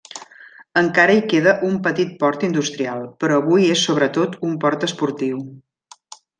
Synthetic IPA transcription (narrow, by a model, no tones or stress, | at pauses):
əŋkaɾəikeðəʔumpət̪it̪̚pɔɾt̪ind̪ust̪ɾialˠpəɾɔːβujesːoβɾət̪ot̪umpɔɾt̪əspuɾt̪iw